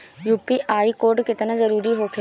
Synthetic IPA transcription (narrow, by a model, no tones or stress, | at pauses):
juːpiʔaːikoːɾɖkɪt̪nazɐɾuːɾiɦokʰɪ